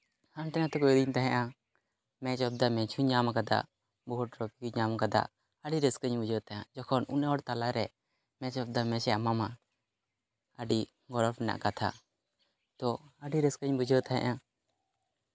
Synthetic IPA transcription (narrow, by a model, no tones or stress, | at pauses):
hant̪ɛnat̪ɛkɔd̪iɲt̪aɦɛ̃ʔa | mɛ̃t͡ʃɔb̚d̪amɛ̃t͡ʃʰuɲamakad̪a̰ʔ | bɔɦuʈ̚ɾɔpikuɲamakad̪a̰ʔ | əɖiɾəskəɲbud͡ʒət̪aa̰d͡ʒɔkʰɔnṵnɛwɔɽt̪alaɾɛ | mɛ̃t͡ʃɔb̚d̪amɛ̃sɛamama | əɖi | ɡɔɾɔpnɛna̰ʔkat̪ʰa̰ | t̪ɔəɖiɾəskəɲbud͡ʒət̪aɦɛ̰̃ʔa